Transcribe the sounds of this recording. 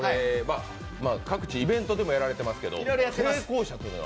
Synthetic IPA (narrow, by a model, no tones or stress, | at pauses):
oɾema̰ | maːkakɯ̟̥t͡ɕiibẽ̞nt̪o̞d̪e̞mo̞jaɾaɾe̞t̪e̞masɨ̥ke̞d̪o̰ɾojɾojat̪ːee̞ːko̞ːɕat̪ojin̰